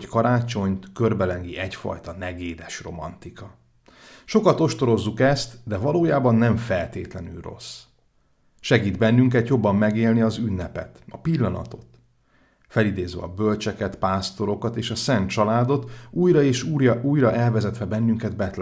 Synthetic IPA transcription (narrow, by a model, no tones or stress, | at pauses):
ckɒɾaːt͡ʃo̞ɲt̪kørbɛlɛŋɡiʔɛcfɒ̰jt̪ɒnɛɡeːd̪ɛʃro̞̰mɒ̰nt̪ikɒ | ʃo̞kɒt̪o̞ʃt̪o̞ɾo̞zːukɛst̪d̪ɛvɒloːjaːbɒnːɛɱfɛlt̪eːt̪lɛny̰lro̞̰s | ʃɛɡiːd̪bɛnːyŋkɛt̪jo̞bːɒmːɛɡeːlniɒzynːɛpɛ̰t̪ɒpilːɒnɒ̰t̪o̞t̪ | fɛlid̪eːzʋɛ̰ɒ̰bø̞lt͡ʃɛkɛt̪paːst̪o̞ɾo̞kɒt̪eːʃɒsɛnt̪t͡ʃɒlaːd̪o̞t̪uːjɾɒeːʃuːjɒuːjrɒʔɛlvɛzɛt̪ʋɛbɛnːyŋkɛd̪bɛt̪l